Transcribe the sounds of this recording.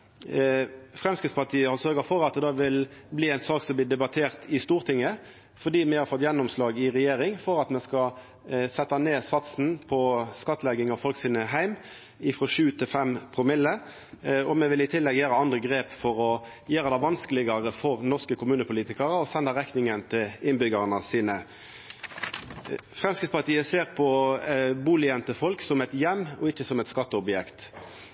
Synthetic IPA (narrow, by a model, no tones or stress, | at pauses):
fʁɛmskɪt̪spɑt̪ʰiːəhɑsœɾɡəfɔɾɑt̪̚d̪ɛd̪ɑːʋɪlbliːæɪnsɑːksɔmbliːd̪ɛbɑt̪ʰeːʁt̪ʰɪst̪uːʁt̪ʰɪŋːə | fɔd̪iːmɛhɑɾfɔt̪ːjɛnːɔmslɑːɡɪʁɛjeːɾɪŋfɔɾɑt̪mɛskɑ | sɛt̪ːɑneːsɑt̪sn̩pʰɔskɑt̪ːlɛɡɪŋɑʋfɔlksiːnəɦæɪm | ɪfʁɔʂʉːt̪ʰɪlfɛmpʰʁɔmɪlːə | ɔmɛʋɪlɪt̪ʰɪlːɛɡjæːɾəɑnd̪ʁəɡʁeːpfɔʁɔ | jøːɾəd̪æʋɑnskəlɪɡɑʁəfɔʁnɔʁskəkʰʊmʉːnəpʊliːt̪ɪkɑʁəɔsɛnd̪əʁɛknɪŋənt̪ʰɪlɪnbʏɡɑʁnəsiːnə | fʁɛmskɪt̪spɑʁt̪iːəseːʁpʰɔbuːlɪənt̪əfɔlksɔmɛɪt̪jɛmːɔɪçːəsɔmɛt̪skɑt̪ːəɔbjɛkt̪